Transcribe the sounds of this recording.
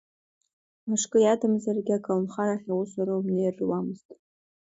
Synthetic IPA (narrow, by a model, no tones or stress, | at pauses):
maʂkʼɨjadɨmzarɡʲɪakʰʼalmχaɾaχʲawʊsaɾaumnejrwamɨztʼ